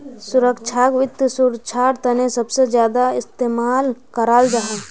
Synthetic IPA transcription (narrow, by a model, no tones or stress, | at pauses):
sʊɾəkt͡ʃʰakʋɪt̪ːəsʊɾt͡ʃʰaːɾt̪ɐnẽsɐbsed͡ʒjaːd̪aɪst̪eːmaːlkəɾaːld͡ʒaɦaː